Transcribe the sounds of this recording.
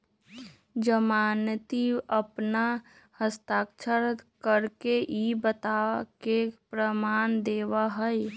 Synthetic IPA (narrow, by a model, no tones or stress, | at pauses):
d͡ʒəmaːnt̪iəpna | həst̪aːkt͡ʃʰəɾkəɾkeʔibət̪akepɾəmaːnd̪eːwaɦəj